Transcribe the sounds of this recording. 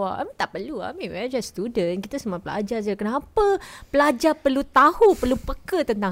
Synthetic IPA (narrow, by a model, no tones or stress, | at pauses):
aʔa̰mĩt̪aʔpərlua̰amĩwɛd͡ʒast̪udənkit̪asəmuapəla̰d͡ʒard͡ʒəkənapəpəlad͡ʒapərlut̪ahupərlupəkət̪ənt̪a